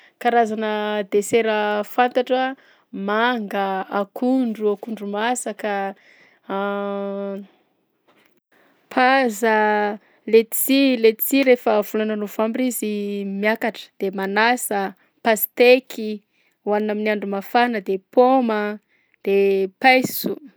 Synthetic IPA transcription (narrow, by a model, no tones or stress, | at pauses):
kaɾazanəd̪eseɾəfant̪aʈ͡ʂə | maŋɡəakuɳɖ͡ʐuakuɳɖ͡ʐumasaka | pʰazə | let̪t͡silet̪t͡siɾefəv̥ulananovambizimiakaʈ͡ʂə̥d̪̥emanasə | pasi̥t̪ekʰi | wannaminiaɳɖ͡ʐumafanəd̪epomə | d̪̥epajsu